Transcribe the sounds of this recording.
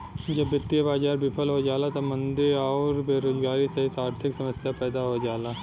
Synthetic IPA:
d͡ʒɐbjɪt̪ːijəbaːd͡ʒaːɾbɪpʰəlɦod͡ʒaːlat̪omɐ̃nd̪eɔːɾbeːɾoːzɡaːɾiseɦisaːɾt̪ʰɪksɐməsjapɛːd̪aɦod͡ʒaːlaː

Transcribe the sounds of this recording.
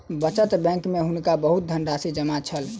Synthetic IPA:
bət͡ʃət̪bɛ̃ŋkmeɦunkabəɦut̪̚d̪ʱənɖasid͡ʒəmat͡ʃʰəl

